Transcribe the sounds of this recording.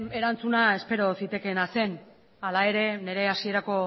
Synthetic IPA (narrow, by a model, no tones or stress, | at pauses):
e̞ɾant͡sunae̞spe̞ɾo̞sit̪e̞kenase̞n | alae̞ɾe̞ne̞ɾe̞asie̞ɾako̞